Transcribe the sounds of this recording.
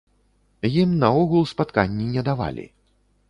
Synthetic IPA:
jimnɐɔɣulˠspat̪kanʲːinʲɛd̪ava̰lʲḭ

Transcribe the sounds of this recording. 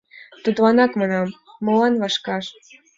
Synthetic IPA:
t̪ut̪lɑnɑkmɑnɑmː | ɤ̆lɑnβɑʃkɑʃ

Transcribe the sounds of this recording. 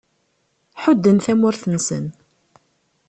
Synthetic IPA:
ħʊd̪ːənθæmʊɾθənsə̰n

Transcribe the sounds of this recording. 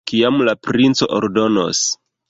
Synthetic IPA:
kiamlapɾint͡so̞̰ʔo̰ɾdo̞no̰s

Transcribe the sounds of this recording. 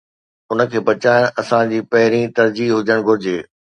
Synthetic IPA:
ʊnə̆kʰeːbɐt͡ɕaːɪɽ̃ɐsãd͡ʑiːpɐɦɪɾĩt̪ɐɾd͡ʑiɦʊd͡ʑəɽ̃ɡʱʊɾɪd͡ʑeː

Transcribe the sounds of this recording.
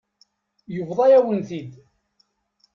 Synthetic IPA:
jʊvðˤɑjæwənθid̪

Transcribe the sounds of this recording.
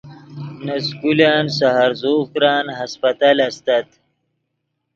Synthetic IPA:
nɐskulaːnsaɦaɾzoːkɾaːnɦaspɐt̪alɐst̪at̪

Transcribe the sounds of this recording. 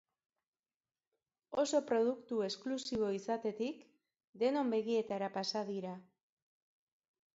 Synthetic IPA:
o̞so̞pɾo̞ðukt̪ue̞sklusiβ̞o̞isat̪e̞t̪ik | d̪e̞no̞mbe̞ɣie̞t̪aɾapasaðiɾa

